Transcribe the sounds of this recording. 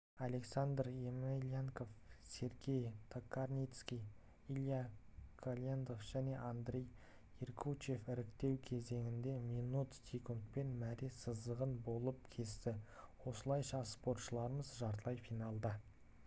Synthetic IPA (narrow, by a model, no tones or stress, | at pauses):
ale̞ksand̪remelʲijaŋko̞fsʲe̞ɾɡʲe̞jt̪ʰokːarnʲijt̪skʲij | ilʲˠjakʰolʲend̪o̞fʒ̥æne̞ʔand̪ɾʲej | irkʰut͡ʃe̞fɪɾɪkt̪e̞wkʲʰe̞ze̞ŋɪnd̪e̞mijnut̪sʲikunt̪̚pe̞nmæɾisəzd̪əʁənbo̞lˠəp̚kʲʰe̞st̪ɪwo̞səlˠɑjʃɑspo̞ɾt̪ʃəlˠɑɾəməzʒɑɾt̪əlˠɑjfijnɑlˠd̪ə